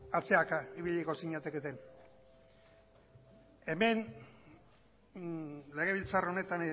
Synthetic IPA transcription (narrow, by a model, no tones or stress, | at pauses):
at͡se̞akaiβiʎiko̞siɲat̪e̞ket̪e̞n | e̞me̞n | le̞ɣ̞e̞β̞ilt͡saro̞ne̞t̪an